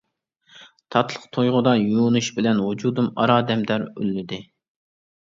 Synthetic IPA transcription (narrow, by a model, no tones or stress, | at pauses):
t̪ʰɑt̪ʰlˠəqt̪ʰojʁʊd̪ɑjunuʃbɪlɛnwud͡ʒud̪umɑ̰ɾɑːd̪ɛmd̪æɾy̰lːɪd̪ɪ